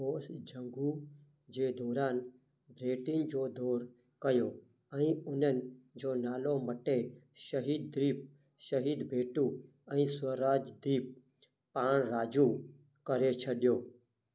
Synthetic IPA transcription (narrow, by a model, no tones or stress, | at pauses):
oːsd͡ʒʱə̃ŋɡuː | d͡ʒeːd̪ʱɔːɾaːn | bɾeːʈɪnd͡ʒoːd̪ʱoːɾ | kəjoː | ɛ̃ĩːʊnənɪd͡ʒoːnaːloməʈeʃəɦiːd̪̚ːɾiːp̚ | ʃəɦiːd̪bʱeːʈuː | ɛ̃ĩsəɾaːd͡ʒd̪iːp̚ | paːɳ̃ɾaːd͡ʒuː | kəɾet͡ʃʰəɗjoː